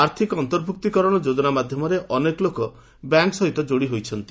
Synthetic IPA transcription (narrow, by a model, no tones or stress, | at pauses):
aɾt̪ʰikɔɔnt̪ɔɾbʱuk̚t̪ikɔɾɔɽ̃ɔd͡ʒod͡ʒɔnamad̪ʱjɔmɔɾeʔɔnekɔlokɔ | bjaŋksɔɦit̪ɔd͡ʒoɽiɦojt͡ʃʰɔnt̪i